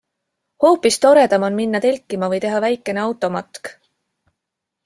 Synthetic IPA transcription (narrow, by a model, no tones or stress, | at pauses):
ho̞ːpːist̪o̞ɾe̞d̪̥ɑmonminːɑt̪e̞lʲkːˑimɑvɤjt̪e̞ɦɑvæjkːˑe̞neɑwt̪ːˑo̞mɑt̪k